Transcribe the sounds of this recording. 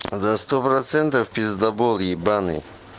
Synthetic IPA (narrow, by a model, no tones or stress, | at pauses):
zɐst̪opɾɐt̪sɛnt̪əfpʲɪzd̪ɐbolˠjibanɨ̰